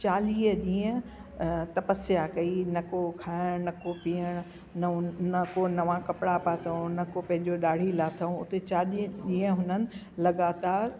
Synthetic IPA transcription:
t͡ɕaːliːəɗĩːə̃ | t̪ɐpəsjakɐinɐkokʰaːɪɽ̃nɐkopiːəɽ̃ | nɐnɐkonɐʋãkɐpɽapaːt̪ʰɐõnɐkopɐ̃ɦɪ̃ɲd͡ʑoɗaːɽ̤ilaːt̪ʰɐũʊ̰t̪et͡ɕaːliʄĩːə̃ɦʊnənɪ̆ | lɐɠaːt̪aːɾ

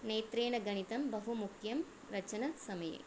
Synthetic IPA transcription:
neːt̪ɾeːɳɐɡɐɳit̪ɐmbɐɦumukʰjɐm | ɾɐt͡ʃɐnɐsɐmɐjɐ̰

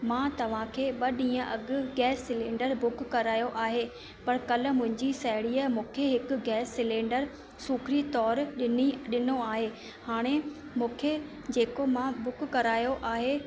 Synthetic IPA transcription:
mãːt̪ɐʋ̤ãkʰeːɓɐɗĩːə̃ʔɐɠʊ̆ɡɛːsːɪlẽːɖəɾbʊkːɐɾaːjoʔaːɦe | pɐɾkɐlʊ̆mʊ̃ɦɪ̃ɲd͡ʑisɐɦɪɽiːəmũːkʰeɦɪkʊ̆ɡɛːsːɪlẽːɳɖəɾ | sukʰɾit̪ɔːɾɗɪniɗɪnoaːɦeː | haːɽ̃emũːkʰe | d͡ʑeːkomãbʊkkɐɾaːjoʔaːɦe

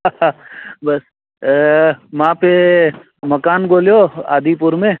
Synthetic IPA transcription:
bɐs | mãpe | mɐkaːnɡoːljoa̰ːd̪ipʊɾmẽ

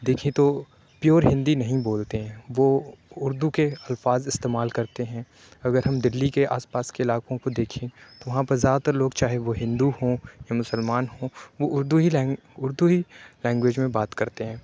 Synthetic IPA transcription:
d̪eːkʰĩt̪o | pjoːɾɦɪ̃nd̪inɐɦĩboːlt̪eɦɛ̃ʋoʊɾd̪ukeɐlfaːzɪst̪eːmaːlkɐɾt̪eɦɛ̃ | ɐɡəɾɦɐmd̪ɪlːikea̰ːspaːskeɪlaːkõkod̪eːkʰẽt̪oʋɐɦãpɐɾzaːd̪t̪ɐɾloːɡt͡ʃaːɦeʋoɦɪ̃nd̪uhõjamʊsəlmaːnɦõʋoʊɾd̪uɦiɛ̃ː | ʊɾd̪uɦilɛ̃ːŋɡwʋeːd͡ʒmẽbaːt̪kɐɾt̪eɦɛ̃ː

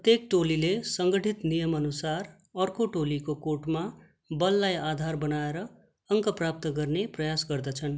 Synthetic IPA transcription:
pt̪jek̚ʈolilesʌŋɡʌʈʰit̪nijʌmʌnusar | ʌrkoʈolikokoʈma | bʌlːajad̪ʱarbʌnaeɾʌ | ʌŋkʌprap̚t̪ʌɡʌrneprʌjasɡʌrd̪ʌt͡sʰʌn

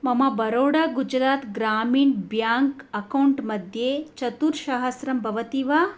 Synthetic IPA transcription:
mɐmɐbɐɾoːɽaːɡud͡ʒɾaːt̪ɡɾaːmiːɳbjaːŋkɐkɐwɳʈmɐd̪ʱjeːt͡ʃɐt̪uɾʃaɦɐsɾɐmbʱɐʋɐt̪iːʋaː

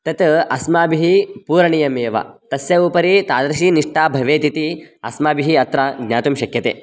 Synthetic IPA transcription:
t̪ɐt̪ɐsmaːbiɦipuːɾɐɳijɐmeːʋɐ̰t̪ɐsjɐuːpɐɾit̪aːd̪ɾɐʃiniʂʈaːbʱɐʋeːt̪it̪iɐsmaːbiɦiɐt̪ɾɐɡɲʲaːt̪umʃɐkjɐt̪ḛː

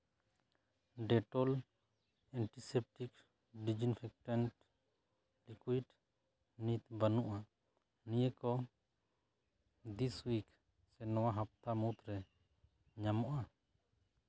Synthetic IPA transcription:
ɖɛʈɔl | ɛɳʈisɛp̚ʈik | ɖid͡ʒinpʰɛk̚ʈɛnʈ | likuiɖ | nit̪banuʔa | nijəkɔ | d̪iswik | sɛnɔwaɦap̚t̪amut̪ɾɛ | ɲamɔʔa

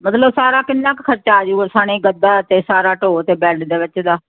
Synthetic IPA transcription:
mət̪ləbsaːɾaːkɪnːãːkkʰəɾt͡ʃaːd͡ʒusaːñĩːɡəd̪aːt̪eːsaːɾaːʈoːt̪eːbɛːɽd̪eːʋɪt͡ʃd̪aː

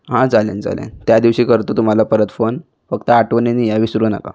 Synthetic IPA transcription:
ɦãd͡zalḛnd͡za̰ljḛ̃nt̪jad̪iʋɕiːkəɾt̪ot̪um̤alapəɾət̪fon | fəkt̪əaʈʋəninijaʋiːsuɾunaka̰

